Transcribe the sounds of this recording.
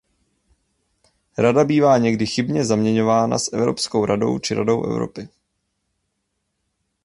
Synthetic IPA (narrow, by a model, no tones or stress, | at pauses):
ɾadabiːvaːɲɛɡdɪxɪbɲɛzamɲɛɲo̞vaːna̰sʔɛvɾo̞̰pskowɾʔado̞̰wt͡ʃɪɾa̰do̞wʔɛ̰vɾo̞̰pɪ